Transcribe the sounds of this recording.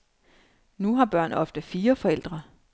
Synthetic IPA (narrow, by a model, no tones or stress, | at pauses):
nuɦɑ̈b̥ɶɐ̰nɒ̽fd̥əfiːɐfɒ̽el̰d̥ʁɐ